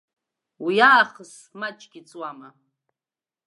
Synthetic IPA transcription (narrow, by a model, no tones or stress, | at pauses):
wijaːχəs | mat͡ʃʼɡʲit͡sʼwama